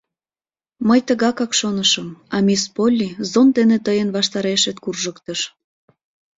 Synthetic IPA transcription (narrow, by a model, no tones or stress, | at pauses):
məjt̪əɣɑkɑkʃonəʃəmɑmʲispolʲːizond̪enet̪əjənβɑʃt̪ɑɾeʃet̪̚kurʒəkt̪əʃ